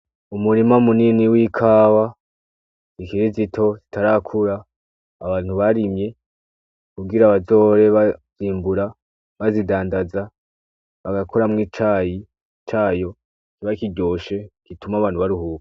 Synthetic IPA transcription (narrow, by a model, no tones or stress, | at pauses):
umuɾimamuniniwiːkʰaːwa | zikiɾizitʰo̞zitaɾakʰuɾaː | βaːn̥huβaɾimɲe̞ | kubɡiɾaβazo̞ɾe̞βaziːmbuɾa | βazidaːndaza | βaɡakʰoɾamŋit͡ʃaːji | t͡ʃaːjo̞ | kiβaikiɡɟoːʃe̞kitumaβaːn̥uβaɾuhuːkḁ